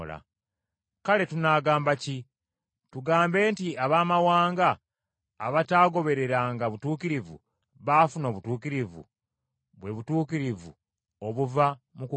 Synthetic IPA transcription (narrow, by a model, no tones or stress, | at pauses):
la̰ | kale̞tunaːɡaːmbaci | tuɡaːmbe̞ːntiaβaːmawaːŋɡaː | βataːɡo̞βe̞ɾe̞ɾaŋɡaβutuːkiɾivṵ | βaːfuno̞ːβutuːkiɾivṵ | βwe̞βutuːkiɾivṵ | oβuvamuku